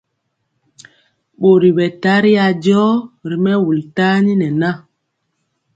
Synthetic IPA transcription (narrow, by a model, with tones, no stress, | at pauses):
ɓo˨ɾi˨ɓɛ˨ta˦ɾi˦ja˨d͡ʒɔ˦ɾi˨mɛ˦wu˨lta˦ni˦nɛ˨na˦˨